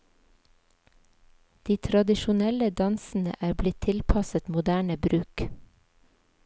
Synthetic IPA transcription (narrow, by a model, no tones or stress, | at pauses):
d̪̥iːt̪ʰɾɑd̪ɪʃʊnɛləd̪ɑnsn̩ə̰ʔæːɾblɪt̪ʰɪlpʰɑsət̪mʊd̪æːɳəbɾʉːk